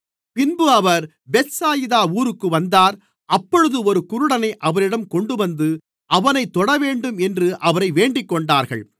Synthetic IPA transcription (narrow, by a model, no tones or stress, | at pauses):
pɪnbɯɐʋɐɾ | bɛt̪saːjɪðaːuːɾɯkːɯʋɐnd̪aːɾ | ɐpːɔɻɯðɯɔɾɯkʊɾʊɽɐnɐɪʔɐʋɐɾɪɽɐmkɔɳɖɯʋɐnd̪ɯ | ɐʋɐnɐɪt̪ːɔɽɐʋeːɳɖɯmɛndrɯʔɐʋɐɾɐɪʋeːɳɖɪkːɔɳɖaːɾɣɐ̰ɭ